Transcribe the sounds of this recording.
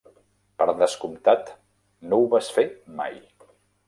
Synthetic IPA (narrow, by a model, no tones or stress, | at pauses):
pəɾðəskumt̪at̪ | nowβasfet̪̚ma̰j